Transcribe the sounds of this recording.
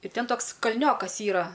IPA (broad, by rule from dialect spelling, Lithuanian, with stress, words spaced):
ɪr ˈtʲɛn ˈtoːks kɐlʲˈnʲoːkɐs ˈiːrɐ